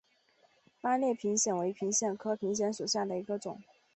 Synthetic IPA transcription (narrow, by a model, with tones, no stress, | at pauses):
pa˥ljɛ˥˩pʰi˧˥ŋɕjɛ˨˩nwe˧˥ɪpʰi˧˥ŋɕjɛ˨˩nkʰɤ˥pʰi˧˥ŋɕ̬jɛ˧˥nʂu˨˩ɕja˥˩d̪ə˩i˧˥ɡə˧ʈ͡ʂʊ˨˩˦ŋ